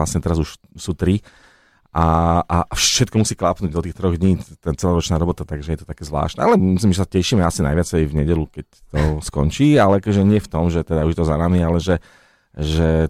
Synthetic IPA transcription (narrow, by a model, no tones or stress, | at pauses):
lasɲɛt̪ɛɾazuʃsuːt̪ɾi | ʔaʔafʃɛt̪kɔmusiːklapnuːɟ̚d̪ɔt̪iːxt̪ɾɔɣd̪ɲiːt̪ɛnt͡sɛlɔɾɔt͡ʃnaːɾɔbɔt̪at̪aɡʒɛjɛt̪ɔt̪akɛːzʋla̰ːʃt̪ɛ̰alɛmmislimʒɛsacɛʃiːmɛasina̰jʋɪat͡sajvɲɛɟɛlukɛc̚ | t̪ɔskɔɲt͡ʃiːalɛakɔʒɛɲɪɛft̪ɔmʒɛt̪ɛd̪auʒjɛt̪ɔzanamialɛʒɛ | ʒɛ